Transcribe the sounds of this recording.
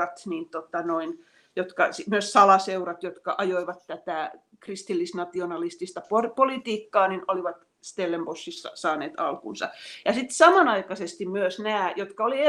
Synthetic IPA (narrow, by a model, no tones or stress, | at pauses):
ɑt̪niːnt̪ot̪ɑnoin | jot̪kɑsimyøssɑlɑseurɑt̪jot̪kɑ̰ʔɑjoiʋɑt̪tæt̪æˑ | krist̪ilːisnɑt̪ionɑlist̪ist̪ɑpopolit̪iːkːɑːninoliʋɑt̪ | st̪elːembosːisɑ̰sɑːneːt̪ɑ̰lkṵnsɑ̰jɑsit̪sɑmɑnɑikɑsest̪immyøsnæːjot̪kɑolie